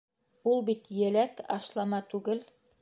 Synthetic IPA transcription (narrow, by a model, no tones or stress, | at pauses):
ulˠbit̪jɘ̆lækɑʃlˠɑmɑt̪ʉɡɘl